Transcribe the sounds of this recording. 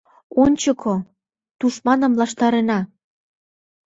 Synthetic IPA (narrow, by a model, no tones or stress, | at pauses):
onʲt͡ɕəkʰo | t̪uʃmɑnə̆mlɑʃt̪ɑɾenɑ